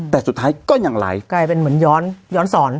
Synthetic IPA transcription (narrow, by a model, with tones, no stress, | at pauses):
t̪ɛː˨˩su˨˩t̪̚ʰːaː˦˥jkɔː˧˥˩ɲa˧˩ŋla̰ː˨˩˦jkaː˧jpe˧nmɯ˩˦ənjɔː˦˥njɔː˦˥nsɔː˩˦n